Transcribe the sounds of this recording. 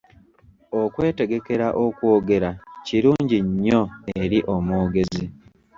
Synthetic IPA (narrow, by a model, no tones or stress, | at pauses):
o̞kwe̞ːte̞ɡe̞ke̞ɾaʔokwo̞ːɡe̞ɾaciɾuːɲɟiɲːo̞eɾiʔo̞moːɡe̞zi